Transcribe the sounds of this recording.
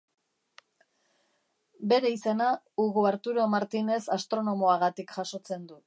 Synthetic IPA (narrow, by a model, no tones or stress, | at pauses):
be̞ɾe̞ise̞na | uɣuaɾt̪uɾomaɾt̪ine̞sast̪ɾo̞no̞mo̞aɣat̪ikʝaso̞t͡se̞nd̪u